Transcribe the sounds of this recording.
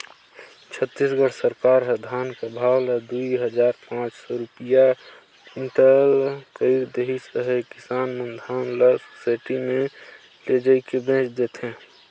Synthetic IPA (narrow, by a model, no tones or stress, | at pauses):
t͡ʃʰət̪ːisɡəʈʰsəɾkaɾɦəd̪ʱaːnkabʱawlad̪uiɦəd͡ʒaːɾpãt͡ʃsɔɾupija | ɪɳʈəlkəɪɾd̪eɦisəɦekɪsaːnmə̃nd̪ʱaːnləɾsosaːɪʈimẽ | led͡ʒaikebẽːt͡ʃd̪et̪ɦɛ̃ː